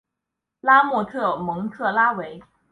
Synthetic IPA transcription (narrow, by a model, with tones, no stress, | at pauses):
la˥mwɔ˥˧t̪ʰɤ˥˩mɤ˧˥ŋt̪ʰɤ˥˩la˥we˧˥ɪ